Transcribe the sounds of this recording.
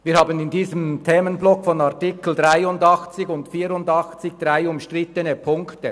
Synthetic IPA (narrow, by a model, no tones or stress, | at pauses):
viːhɑːbənɪndiːzəmtʰɛːmənblɔkfɔnaʁtɪkl̩d̥ʁaɪʊndɑχt͡sɪɡʊntfiːɾʊndɑχt͡sɪç̚d̥ʁaɪʊmʃtʁɪtənəpʰʊŋktə